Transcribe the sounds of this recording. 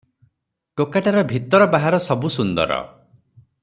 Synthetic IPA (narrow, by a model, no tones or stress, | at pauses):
ʈokaʈaɾɔbʱit̪ɔɾɔbaɦaɾɔsɔbusund̪ɔ̰ɾɔ̰